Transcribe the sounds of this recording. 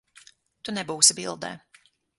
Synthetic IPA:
t̪unɛbuːsibilˠd̪ɛ̰ː

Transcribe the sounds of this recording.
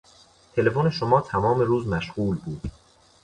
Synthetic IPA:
t̪ʰe̞le̞fone̞ʃomɒːt̪ʰæmɒːmeɾuːzmæʃɢuːlbuːd̪̥

